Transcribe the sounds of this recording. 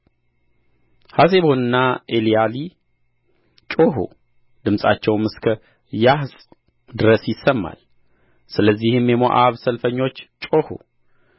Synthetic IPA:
has̬e̞βo̞nɨnːaʔelijali | t͡ʃʼo̞ɦṵ | d̪ɨmsʼa̰t͡ʃːɛwmɨskʰə | jahsʼ | d̪ɨɾəsjɪsəmːa̰l | sɨləzːihɨmːjɛmo̰ʔaβsəlfəɲːo̞t͡ʃːt͡ʃʼo̞hṵ

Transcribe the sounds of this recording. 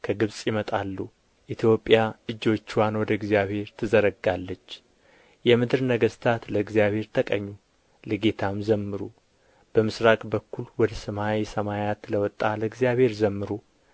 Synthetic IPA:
kʰəɡɨβsʼjɪmət̪ʼalːu | ʔit̪ʰjo̞pʼːjaɨd͡ʒːo̞t͡ʃːwanwɔd̪əɨɡzijaβhe̞ɾt̪ʰɨzəɾəɡalːət͡ʃː | jɛmɨd̪ɨɾnəɡəst̪ʰat̪ləɨɡzjaβhe̞ɾt̪ʰəkʼəɲːu | lɨɡe̞t̪ʰamzəmːɨɾu | b̥əmɨsɾakʼbəkːulwɔd̪əsəmajesəmajat̪ləwɔt̪ʼːaləɨɡzjaβhe̞ɾzəmːɨɾu

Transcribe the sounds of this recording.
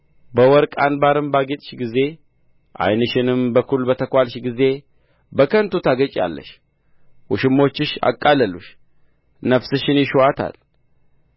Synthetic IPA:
bəwɔɾkʼanbaɾɨmbaɡet̪ʼʃɡize̞ | ʔa̰jnɨʃɪnɨmbəkʰulbət̪ʰəkʷalʃɡize̞ | bəkʰənt̪ʰut̪ʰaɡət͡ʃʼja̰lːə̰ʃ | ʔuʃɪmːo̞t͡ʃːɪʃa̰kʼːaləluʃ | nəfsɨʃɪnjɪʃuat̪ʰa̰l

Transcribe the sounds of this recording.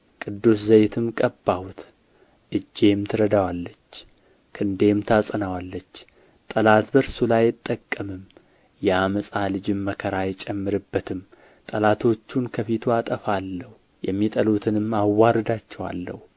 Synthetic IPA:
kʼɨd̪ːuszəjt̪ʰɨmkʼəbːawut̪ʰ | ʔɨd͡ʒːe̞mt̪ʰɨɾəd̪awalːət͡ʃː | kʰɨnd̪e̞mt̪ʰasʼənawalːət͡ʃː | t̪ʼəlat̪bəɾsulajːɪt̪ʼːəkʼːəmɨm | jɛaməsʼalɨd͡ʒɪmːəkʰəɾajɛt͡ʃʼɛmːɨɾɨbːət̪ʰɨm | t̪ʼəlat̪ʰo̞t͡ʃːunkʰəfit̪ʰuat̪ʼəfalːəhu | jɛmːit̪ʼəlut̪ʰɨnɨmːawːaɾɨd̪at͡ʃːɛwa̰lːə̰h

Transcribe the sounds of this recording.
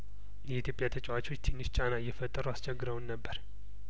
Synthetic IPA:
jɛit̪ʰjo̞pʼjat̪ʰət͡ʃʼɛwat͡ʃo̞t͡ʃːt̪ʰinːɨʃt͡ʃʼanaɨjːɛfət̪ʼːəɾuast͡ʃʰɛɡːɨɾəwnːəbːəɾ

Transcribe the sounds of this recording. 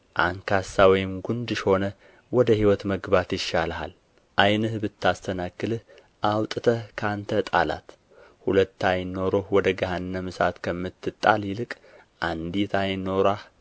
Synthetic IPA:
ʔaŋkʰasawɔjɪmɡund̪ɨʃho̞nə | wɔd̪əhiwɔt̪məɡbat̪jɪʃːalɦa̰l | ʔajnɨhbɨt̪ːast̪ʰənakːɨlɨh | ʔawt̪ʼɨt̪ʰəkʰant̪ʰət̪ʼa̰la̰t̪ | hulət̪ːajɪnoɾohwɔd̪əɡahanːəmɨsat̪kʰəmːɨt̪ʰːɨt̪ʼːa̰lɪlɨkʼ | ʔand̪it̪ʰajɪno̞ɾah

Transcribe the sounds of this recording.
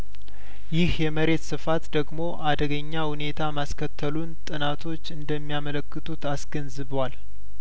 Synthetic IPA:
jɪhjɛməɾe̞t̪sɨfat̪d̪əɡmo̞ʔad̪əɡəɲːahune̞t̪ʰamaskʰət̪ʰːəlunt̪ʼɨnat̪ʰo̞t͡ʃːɨnd̪əmːijamələkːɨt̪ʰut̪asɡənzɨβwal

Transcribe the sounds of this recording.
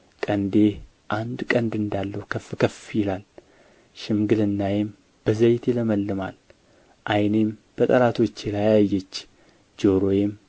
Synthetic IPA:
kʼənd̪e | ʔand̪kʼənd̪ɨnd̪alːəwukʰəfkʰəfjɪlal | ʃɪmɡɨlɨnːajɛm | b̥əzəjt̪ʰɛləməlːɨma̰l | ʔajnemb̥ət̪ʼəlat̪ʰo̞t͡ʃːɛlajajajːɛt͡ʃː | d͡ʒo̞ɾo̞jɛm

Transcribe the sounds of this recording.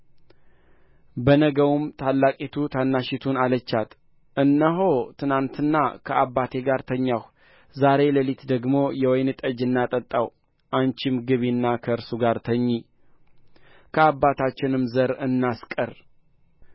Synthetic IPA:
bənəɡəwumt̪ʰalːakʼit̪ʰut̪ʰanːaʃɪt̪ʰunalət͡ʃːat̪ | ʔɨnːəɦo̞t̪ʰɨnant̪ɨnːakʰəabːat̪ʰe̞ɡaɾt̪ʰəɲːah | zaɾe̞ləlit̪d̪əɡmo̞jɛwɔjnɨt̪ʼəd͡ʒɨnːat̪ʼət̪ʼːaw | ʔant͡ʃɪmɡɨβinːakʰəɨɾsuɡaɾt̪ʰəɲːi | kʰəabːat̪ʰat͡ʃːɪnɨmzəɾɨnːaskʼəɾ

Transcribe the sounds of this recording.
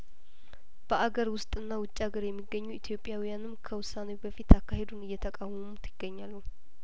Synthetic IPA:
b̥əʔaɡəɾwʊst̪ʼɨnːawʊt͡ʃʼːaɡəɾjɛmːiɡːəɲːuit̪ʰjo̞pʼːjawijanɨmkʰəwʊsːanewbəfit̪akːaɦe̞d̪unɨjːɛt̪ʰəkʼawumut̪ʰɪɡ̥ːəɲːalːu

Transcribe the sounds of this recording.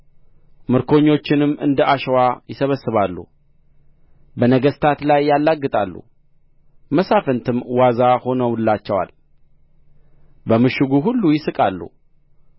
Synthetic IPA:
mɨɾkʰo̞ɲːo̞t͡ʃːɪnɨmːɨ̰nd̪əʔaʃwajɪsəβəsːɨβalːṵ | bənəɡəst̪ʰat̪lajːalːaɡːɨt̪ʼalːṵ | məsafənt̪ʰɨmwazaho̞nəwɨlːat͡ʃːɛwa̰l | bəmɨʃɨɡuɦulːujɪsɨkʼalːṵ

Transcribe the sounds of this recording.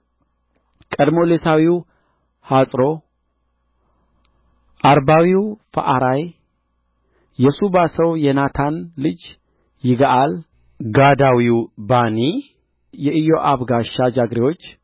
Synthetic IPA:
kʼəd̪mo̞lesawiw | hasʼɾo̞ | ʔaɾbawiwfə̰ʔaɾaj | jɛsubasəwjɛnat̪ʰanlɨd͡ʒ | jɪɡaʔal | ɡad̪awiwbani | jɛʔɨjo̞ʔaβɡaʃad͡ʒaɡɾewo̞t͡ʃː

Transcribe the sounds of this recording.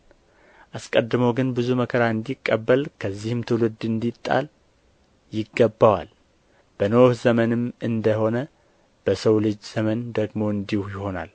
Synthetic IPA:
ʔaskʼəd̪ːɨməwɡɨnbɨzuməkʰəɾaɨnd̪ikʼːəbːəlkʰəzːihɨmt̪ʰɨwlɨd̪ɨnd̪it̪ʼːa̰l | jɪɡːəbːawa̰l | b̥ənohzəmənɨmɨnd̪əho̞nə | b̥əsəwlɨd͡ʒz̥əmənd̪əɡmo̞ɨnd̪ihjɪho̞na̰l

